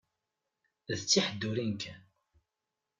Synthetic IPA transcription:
ðt͡sːiħəd̪ːuɾinkʰæn

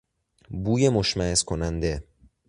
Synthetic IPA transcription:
buːjemoʃmæeskʰonænd̪e

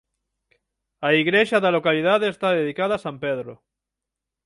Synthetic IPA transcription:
aiɣɾeʃaðalokaliðaðeːst̪aðeðikaðaːsampeðɾo̰

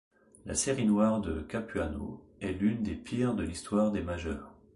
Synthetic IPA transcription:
la̰seʁinwaʁd̪əkapyano̰ | ɛlynd̪epʰiʁd̪əlist̪waʁd̪emaʒœːʁ

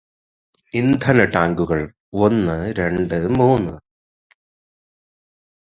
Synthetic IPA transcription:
ind̪ʱɐnɐʈaːŋɡuɣɐɭ | o̞nːɨɾe̞ɳɖɨmuːnːɨ

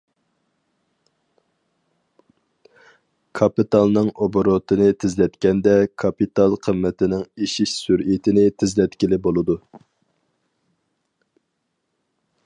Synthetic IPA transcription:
kʰɑpit̪ɑlˠnɨŋoboɾot̪ʰɨnɨt̪ʰɪzlɛt̪kʲɛnd̪ɛkʰɑpit̪ɑlˠqʰəmːɪt̪ʰɪnɪŋeʃiʃsyɾit̪ʰɪnɪt̪ʰɪzlɛt̪kʲilɪbolˠɨd̪u

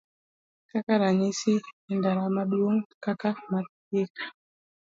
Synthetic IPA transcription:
kakaɾaɲisindaɾamaɗuoŋkakama | jekḁ

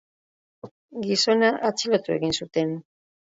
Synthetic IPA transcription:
ɡiso̞naʔat͡silot̪ue̞ɣinsut̪e̞n

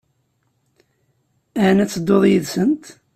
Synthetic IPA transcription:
ænæt͡sːəd̪ːoðˤjəðsənt̪

